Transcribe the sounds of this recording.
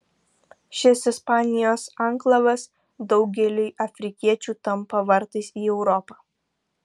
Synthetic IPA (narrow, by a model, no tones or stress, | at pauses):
ʃʲɪsɪspɑːnʲɪjoːsɐŋˑklˠɐʋɐs | d̪ɒʊɡʲɛlʲɪɪʔɐfʲɾʲɪkʲiɛt͡ʃʲuːt̪ɐmpɐʋɐɾt̪ɐɪsiːɛʊɾɔpɑː